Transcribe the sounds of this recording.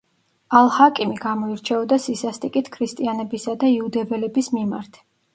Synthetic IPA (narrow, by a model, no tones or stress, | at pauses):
alˠhakʼimiɡamɔiɾt͡ʃʰɛɔd̪asisast̪ʼikʼit̪ʰkʰɾist̪ʼianɛbisad̪aiud̪ɛvɛlɛbismima̰ɾt̪ʰ